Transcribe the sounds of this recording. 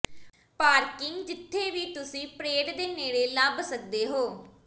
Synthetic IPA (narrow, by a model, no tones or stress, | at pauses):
paːɾkɪŋɡd͡ʒɪt̪ʰːeːʋiːt̪ʊsĩːpɾeːɖd̪eːneːɽeːlabsək̚d̪eːɦoː